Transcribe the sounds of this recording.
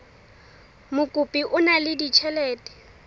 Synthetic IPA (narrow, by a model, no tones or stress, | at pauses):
mʊkʼʊpʼiʔʊnalɪdit͡ʃʰɛlɛːtʼɛ̥